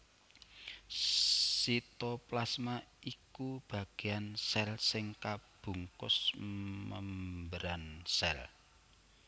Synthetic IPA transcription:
sit̪ɔplasmaikub̥a̤ɡ̥e̤ansɛlsɪŋkab̥ṳŋkʊ̰sməmbəɾansɛl

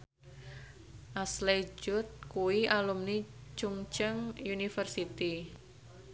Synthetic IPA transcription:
ʔasled͡ʒʊt̪̚kuwialumnit͡ʃuŋt͡ʃəŋjunifərsit̪i

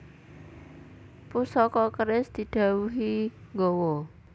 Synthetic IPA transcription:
pusɔkɔkəɾɪsd̪̥i̤ɖ̪̥a̤wuɦiŋɡowɔ

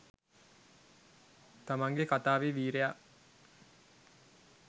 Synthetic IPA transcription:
t̪amaŋɡekat̪aːʋeʋiːɾeja

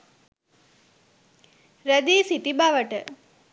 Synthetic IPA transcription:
ɾəd̪iːsit̪ibaʋəʈə

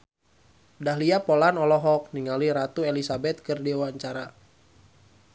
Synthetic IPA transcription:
daɦliapolanɔlɔɦɔk̚niŋaliɾat̪uelisabɛt̪̚kɨrdiwaɲt͡ʃaɾa

